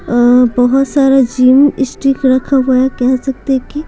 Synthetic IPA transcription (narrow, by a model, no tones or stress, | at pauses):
bɐɦʊt̪saːɾad͡ʒiːmɪsʈɾikɾɐkʰaɦojakɛɦsɐk̚t̪eki